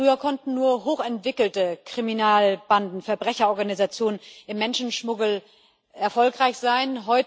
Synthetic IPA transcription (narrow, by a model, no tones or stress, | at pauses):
ʁyːɐkʰɔntn̩nuːɐɦoːxɛntv̥ɪkl̩təkʁ̥iminaːlb̥andn̩fɛɐbʁɛçɐɔɐɡanizat͡sjoːnənʔɪmːɛnʃn̩ʃmʊɡl̩ | ʔɛɐfɔlkʁ̥aɪçz̥aɪnɦɔʏ